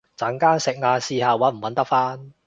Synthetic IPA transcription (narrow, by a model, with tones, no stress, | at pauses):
t͡sɐ˨˥ŋkaː˥ŋsɪ˨k̚ŋaː˧siː˧haː˨˧wɐ˨˥m̩˨˩wɐ˨˧˥nt̪ɐ˥k̚faː˥n